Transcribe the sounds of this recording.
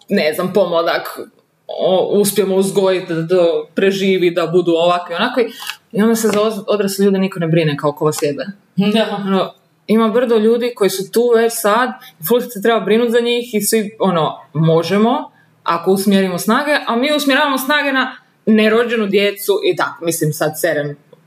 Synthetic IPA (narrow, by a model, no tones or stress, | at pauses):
neznampo̞mod̪ak | ouspjemouzɡo̞jit̪d̪at̪opɾe̞ʒiːʋid̪abud̪uoʋakʋionakoiio̞nd̪asezaood̪ɾaseʎuːd̪eniko̞nebɾinekaokoʋasjed̪e | ono | imabr̩zoʎuːd̪iko̞jisut̪uːʋe̞t͡ʃsad̪iflusit̪set̪̬ɾe̞babɾinut̪zaɲiːxisʋio̞no̞mo̞ʒemo̞ | a̰ko̞usmjeɾimosnaːɡe̞ʔamiːusmjeaːʋamosnaːɡe̞na | neɾo̞d͡ʒe̞nud̪jet̪suʔit̪akmislimsad̪seɾem